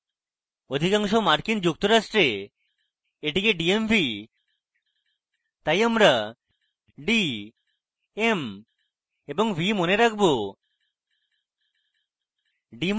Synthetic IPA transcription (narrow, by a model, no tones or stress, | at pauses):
od̪ʱikaŋʃomaɾkind͡ʑuk̚t̪oɾaʃʈɾe | eʈikeɖiembʱi | t̪ajamɾa | ɖi | em | eboŋbʱimoneɾakʰbo | ɖim